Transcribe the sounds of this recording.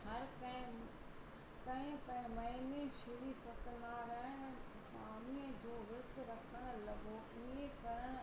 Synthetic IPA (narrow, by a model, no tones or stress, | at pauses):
hɐɾkɐɪ̃ | kɐ̃ɦɪ̃pɐɦmɐineʃɪɾisɐt̪naɾəɦ | saːmiə̃d͡ʑoːʋɪɾt̪ɾɐkʰəɽ̃̆lɐɡo | iẽkɐɾəɽ̃